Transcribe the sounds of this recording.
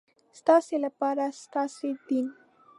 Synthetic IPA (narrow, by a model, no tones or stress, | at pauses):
st̪ɑselapɑɾast̪ɑsed̪in